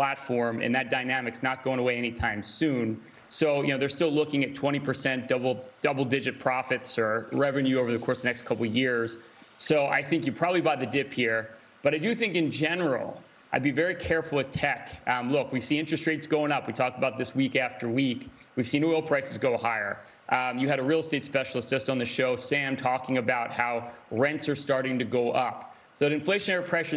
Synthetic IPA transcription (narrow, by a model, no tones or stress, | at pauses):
pʰl̥ætfɔɹmɨ̰̃nðɨt̚d̥aɪnæmɨksnət̚ɡ̥oʊɪ̃ŋəweɪɛñitʰãɪ̃msʉ̃n | soʊjɨ̰noʊðə˞stɪlˠʊkɪ̃ŋɨtʰw̥ɛ̃ɾ̃ipʰə˞sɛ̃nd̥ʌbl̩ˠd̥ʌbl̩ˠdɪd͡ʒɨt̚pʰɹ̥ɑfɨtsə˞ɹɛvɨ̃njʉoʊvə˞ðɨkʰɔɹsðɨnɛkstkʰʌpl̩ˠjɪɹz̥ | soʊʔa̰ɪθɪ̃ŋkjɨpʰɹ̥ɑbəblibaɪðɨdɪphiɹ | b̥ʌɾaɪdɨθɪ̃ŋkɨ̃nd͡ʒɛnə˞l̩ˠ | ʔaɪd̚bivɛɹikʰɛɹfl̩ˠɨtʰɛkʌ̃mlʊkwiv̥siɪ̃nt͡ʃɹ̥ɨstɹ̥eɪtsɡ̥oʊɪ̃ŋʌpwitʰɔk̚təbaʊt̪̚ðɪswikæftə˞wik | wiv̥sĩnɔɪlˠpʰɹ̥aɪsɨzɡoʊhaɪə̰˞ | ʔjɨɨɾɨɹilˠsteɪtspɛʃl̩ˠəsd̥ʒ̥ʌstn̩ðɨʃoʊsæ̃mtʰɔkɪ̃ŋɨbaʊt̚haʊɹɛ̃ntsə˞stɑɹɾɪ̃ŋtɨɡoʊʔʌp | soʊɨɨ̃ɱfleɪʃɨnɛɹəpʰɹ̥ɛʃə˞